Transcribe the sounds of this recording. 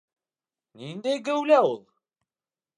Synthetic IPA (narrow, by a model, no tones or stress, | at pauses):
ninːæɡæwlæoðˤ